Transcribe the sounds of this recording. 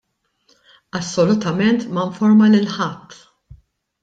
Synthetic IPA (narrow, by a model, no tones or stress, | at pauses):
ɐsːɔlʊt̪ɐmɛnt̪mɐɱfɔɾmɐlɪlħɐt̪ː